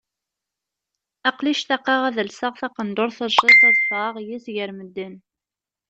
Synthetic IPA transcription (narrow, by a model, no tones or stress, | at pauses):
æqliʃθæqːɑʁæðəlsəʁθɑqənd̪ʊɾθəʃiθæðsaʁjisʝəɾməd̪ːən